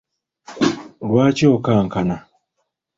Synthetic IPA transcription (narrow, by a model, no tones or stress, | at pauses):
lwaːcoːkaːŋkana